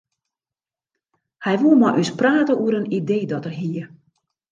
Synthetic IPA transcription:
hɛjʋuəmɔjʔyspraːtəuəɾənideːdɔtərɦiə

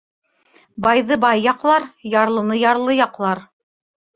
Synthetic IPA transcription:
bɑjðɤbɑjːɑqlˠɑɾjɑɾlˠɤ̆nɤjɑɾlˠɤjɑqlˠɑɾ

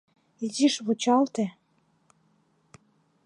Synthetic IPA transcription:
iziʃβut͡ɕɑlt̪e

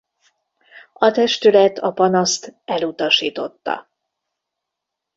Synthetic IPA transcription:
ɒt̪ɛʃt̪ylɛt̪ʰɒpɒnɒst̪ɛlut̪ɒʃiːt̪o̞t̪ːɒ̰

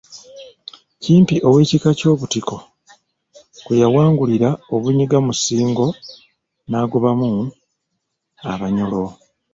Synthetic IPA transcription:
ciːmpiʔo̞we̞ːcikaco̞ːβutiko̞ | kujawaːŋɡuliɾao̞βuɲiɡamusiːŋɡo̞ | naːɡuβamu | a̰βaɲolo̞

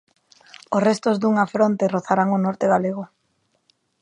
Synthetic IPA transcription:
osrest̪ozd̪uŋafɾont̪eroθaɾaŋonɔɾt̪eɣaleɣ̞o

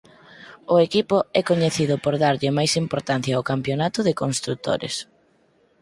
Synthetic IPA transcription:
ʊekipʊɛkoɲeθiðʊpoɾðaɾʎɪmajsimpoɾt̪an̟θjaokampjonat̪ʊðɪkonst̪ɾut̪o̰ɾɪ̰s

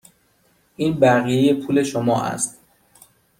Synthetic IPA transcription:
ʔiːnbæɣije̞je̞pʰuːle̞ʃomɒːʔæ̰st̪

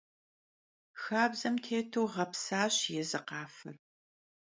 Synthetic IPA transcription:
xaːbzɐmtʰeːtʰuːʁɐpsaːɕjɛzɨqɑːfɨ̰r

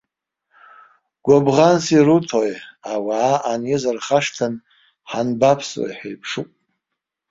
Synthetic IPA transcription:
ɡ̥ʷobʁansiɾutʰojawaːʔanjɪzɨrχaʂtʰan | ħanbapʰswa̰jħajpʰʂukʼ

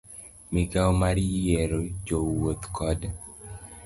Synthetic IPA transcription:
miɡaomaɾjɛɾod͡ʒowot̪kɔd

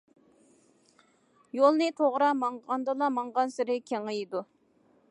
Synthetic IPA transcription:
jolˠnɨt̪ʰoʁɾɑmɑɴʁɑnd̪ɨlˠɑmɑɴʁɑnsɪɾɪkʲʰeŋɨjid̪u

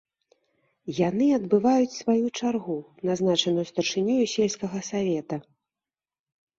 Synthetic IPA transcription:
janɨɐd̪bɨvajut͡sʲsvajut͡ʂarɣunaznat͡ʂɐnujust̪ɐrʂɨnʲujusʲɛlʲskɐɣɐsavʲɛt̪ɐ

